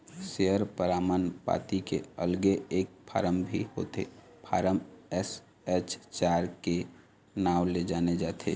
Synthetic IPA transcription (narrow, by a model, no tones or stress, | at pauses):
seəɾpəɾaːmaːnpa̰ːt̪ikḛəlɡeeːk̚pʰa̰ːɾəmbʱḭho̰ːt̪ḛ | pʰaːɾəmɛs | ɛt͡ʃt͡ʃaːɾke | naːwled͡ʒaːned͡ʒaːt̪ʰḛ